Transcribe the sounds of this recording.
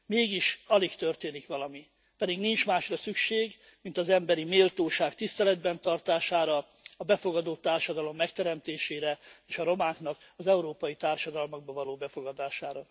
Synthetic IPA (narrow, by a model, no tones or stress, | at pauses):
meːɡiʃɒlikt̪ørt̪eːnikʋɒlɒmi | pɛd̪iɡnint͡ʃmaːʃrɒsykʃeːɡ | mint̪ɒzɛmbɛɾimeːlt̪oːʃaːkt̪ist̪ɛlɛd̪bɛnt̪ɒrt̪aːʃaːɾɒ | ɒbɛfo̞ɡɒd̪ot̪ːaːrʃɒd̪ɒlo̞mːɛkt̪ɛɾɛmt̪eːʃeːɾɛeːʃɒɾo̞maːŋknɒkɒzɛuɾoːpɒjit̪aːrʃɒd̪ɒlmoɡ̚bɒvɒloːbɛfo̞ɡɒd̪aːʃaːɾɒ